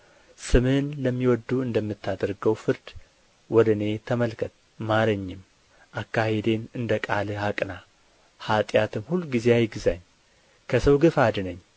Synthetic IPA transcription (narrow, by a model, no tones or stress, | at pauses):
sɨmɨnləmːiwɔd̪ːuɨnd̪əmːɨt̪ʰːad̪əɾɡəwfɨɾd̪ | wɔd̪ɨne̞t̪ʰəməlkʰət̪ʼ | maɾɨɲːɪm | ʔakːahed̪e̞nɨnd̪əkʼalɨhakʼna | hat̪ʼjat̪ʰɨmhulːɡizeajɡɨzaɲː | kʰəsəwɡɨfad̪ɨnəɲː